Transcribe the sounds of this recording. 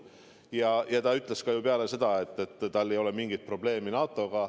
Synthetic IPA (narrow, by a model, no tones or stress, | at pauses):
jɑjɑt̪ɑyt̪ːˑle̞skɑjupeɑle̞se̞d̪̥ɑe̞t̪ˑːe̞t̪ːɑlːe̞jo̞le̞miŋɡ̥it̪̚pro̞b̥le̞ːminɑːt̪ˑːo̞ɡ̥ɑ